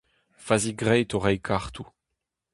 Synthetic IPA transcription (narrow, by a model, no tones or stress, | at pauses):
faziɡʁɛjt̪oʁɛjkʰaʁt̪u